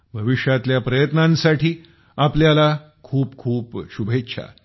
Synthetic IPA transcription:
bʱəʋiʂjat̪ljapɾəjət̪nãnsaʈʰiː | apljala | kʰuːpkʰuːpɕubʱetːɕʰa̰

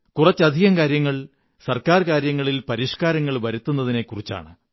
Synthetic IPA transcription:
kurɐt͡ɕːɐd̪ʱiɣɐmkaːɾjɐŋːɐɭ | sɐrkaːrkaːɾjɐŋːɐɭilpɐɾiʂkaːɾɐŋːɐɭʋɐɾut̪ːunːɐðine̞kːurit͡ɕːa̰ːɳɨ

